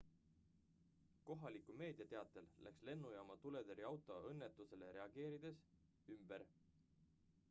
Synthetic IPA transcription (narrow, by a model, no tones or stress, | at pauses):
ko̞ɦɑlikˑume̞ːd̪̥iɑt̪e̞ɑt̪ːˑe̞llæ̰ksle̞nːujɑmɑt̪ule̞d̪eɾiɑwt̪ˑo̞ɤnːet̪ːˑuse̞le̞ɾe̞ɑɡ̥e̞ːɾid̪̥e̞s | ymb̥eɾ